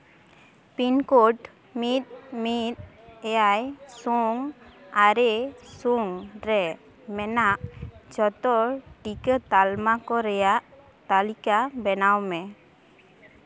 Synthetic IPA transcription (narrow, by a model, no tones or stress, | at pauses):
pinkɔʈ | mit̪̚mit̪̚ | ɛjajsuŋaɾɛsuŋɾɛ | mɛnaʔd͡ʒɔt̪ɔʈikət̪almakɔɾɛjaʔ | t̪alikabɛnawmɛ